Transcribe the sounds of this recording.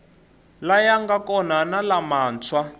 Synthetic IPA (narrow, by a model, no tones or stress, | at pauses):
lajaŋɡakɔnanalamaːnt͡sʰwa